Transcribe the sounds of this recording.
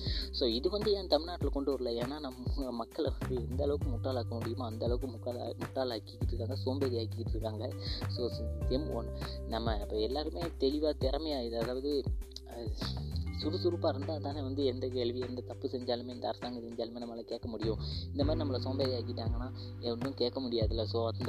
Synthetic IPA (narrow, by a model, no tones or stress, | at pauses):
soːɪðɯʋɐnd̪ɯẽːnt̪ɐmɪnaːʈːɪlkɔɳɖɯʋɐɾɯlɐeːnːaːnɐmmɐkːɐɭʋɐnd̪ɯɛnd̪ɐːlɐʋɯkːɯmʊʈːaːlaːkɐmʊɽɪjɯmaɐnd̪ɐːɭɐʋɯkːɯmʊkːa̰mʊʈːaːlaːkːɪkːɪʈːɾɯkːaːŋɡɐsoːmbeːðiaːkːɪkːɪʈːɾɯkːaːŋɡɐsoːt̪ɛmo̰nnɐmːɐɪpːoːɛlːaːɾɯmeːt̪ɛɻɪʋaːt̪ɪɾɐmɐjaːɪðɯɐðaːʋɐðɯ | sʊɾɯsʊɾɯpːaːɾɯnd̪aːt̪aːneːʋɐnd̪ɯɛnd̪ɐkeːɭʋiɛnd̪ɐt̪ɐpːɯsɛɲd͡ʒaːlɯmeːɛnd̪ɐ̰ːɾɐsaːŋɡɐsɛɲd͡ʒaːlɯmeːnɐmːɐlɐkeːʈkːɐmʊɽɪjʊ̃ɪnd̪ɐmaːdɾinɐmːɐlɐsoːmbeːðijaːkːɪʈːaːŋɡɐnːaː | ɛnɯ̃keːʈkːɐmʊɽɪjaːðɪlːɐsoːʋaːt̪ɯd̪